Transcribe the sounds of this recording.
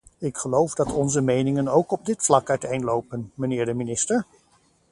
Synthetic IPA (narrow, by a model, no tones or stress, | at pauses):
ɪkχəlowvdɑtɔnzəmejnɪŋənowkɔb̚dɪtflɑkœɥtejnlowpənmənɪːɹdəminɪstəɹ